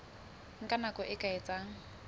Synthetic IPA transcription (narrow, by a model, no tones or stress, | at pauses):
ŋ̩kʼanakʼɔʔɪkʼaɪt͡sʼaːŋ̩